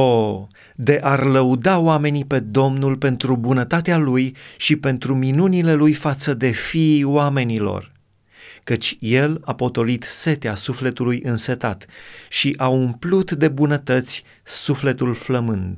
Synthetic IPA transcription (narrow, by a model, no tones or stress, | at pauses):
o | d̪e̞ʔarləud̪aoame̞nipe̞d̪o̞mnulpe̞nt̪ɾubunət̪at̪ealujʃipe̞nt̪ɾuminunile̞lujfat̪səd̪e̞fioame̞nilo̰r | kət͡ʃʲje̞lapo̞t̪o̞lit̪se̞t̪easufle̞t̪ulujʔɨnset̪at̪ʃiʔaumplut̪d̪e̞bunət̪ət̪sʲ | sufle̞t̪ulfləmɨnd̪